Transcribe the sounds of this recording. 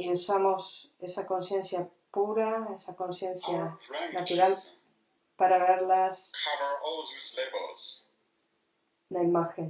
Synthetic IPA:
iusamo̞sesako̞nsje̞nsja | puɾaesako̞nsje̞nsjanat̪uɾal | paɾaβeɾlaskʰavə˞ɔlðizleblˠz̥ | naimaxen

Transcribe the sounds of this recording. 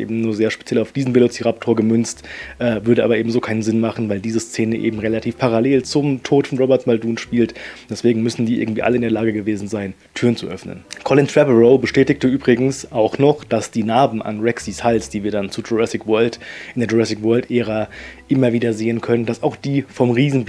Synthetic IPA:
ʔḛːbm̩nuːɐzeːɐʃpe̥t͡sjɛlaʊfd̥iːzn̩mvelot͡siʁap̚tʰoːɐɡəmʏnt͡stʔɛːvʏɐɾəaːbɐʔeːbm̩zoːkʰaɪnənzɪnmaχn̩vaɪldiːzəst͡seːnəʔḛːbm̩ʁelatʰiːfpʰaʁaleːlt͡sʊmtʰoːtfɔnʁobɛɐtmalduːnʃpiːltd̥ɛsv̥eːɡŋ̩mʏsn̩diːʔɪ̰ɐɡŋ̩tv̥ḭːʔa̰ləɪndeːɐlaːɡəɡəveːzn̩zaɪn | tʰyːɐʁənt͡sṵʔœfnə̰nkʰɔlɪntʁ̥ɛpəʁoʊbəʃtɛːtɪktəʔyːbʁɪɡŋ̩sʔaʊxnɔχd̥asd̥iːnaːbm̩a̰nʁɛksishalsd̥iːviːɐdant͡sudoʁɛsɪkvœɐltʔɪndeːɐd͡ʒoʁɛsɪkvœɐltʔɛːʁaʔɪmɐviːdɐzeːənkʰœnəndasaʊxd̥iːfɔmʁiːzn̩

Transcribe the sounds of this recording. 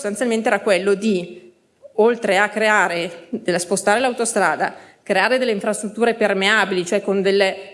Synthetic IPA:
st̪ant̪jalment̪eɛːɾakwelːod̪i | olt̪ɾeakːɾeaːɾed̪elaspost̪aːɾelawt̪ost̪ɾaːd̪a̰kɾeaːɾed̪elːeiɱfɾast̪ɾut̪ːuːɾepermeaːbilit͡ʃoɛkond̪elːe

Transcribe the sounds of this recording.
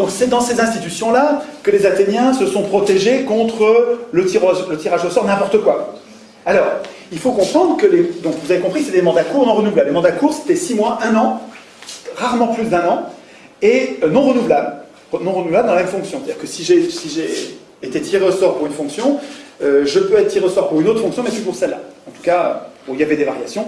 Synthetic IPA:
d̪ɔ̃ksɛd̪ɑ̃sezɛ̃st̪it̪ysjɔ̃lakəlezat̪enjɛ̃səsɔ̃pχɔt̪eʒekɔ̃t̪χələt̪iʁolət̪iʁaʒosɔʁnɛ̃pɔʁt̪əkwa | alɔːʁ | ilfokɔ̃pχɑ̃d̪ʁəkəled̪ɔ̃kvuzavekɔ̃pχikseɛt̪elmɑ̃d̪lakuʁnɔ̃ʁənuvlablemɑ̃d̪lakuʁse̥t̪ɛsimwaʔɛ̃nɑ̃ | ʁaʁmɑ̃plysd̪ɛ̃nɑ̃ | eønɔ̃ʁənuvlabl | ʁənɔ̃ʁənuvlabld̪ɑ̃lamɛmfɔ̃ksjɔ̃set̪aiʁkəsiʒesiʒeː | t̪et̪ʰiʁeosɔʁpuʁynfɔ̃ksjɔ̃øʒəpøɛt̪χət̪iʁeosɔʁpuʁynot̪χəfɔ̃ksjɔ̃mɛpypuʁsɛlːa̰ɑ̃t̪u̥kaø̰bɔ̃iljavɛd̪evaʁjasjɔ̃

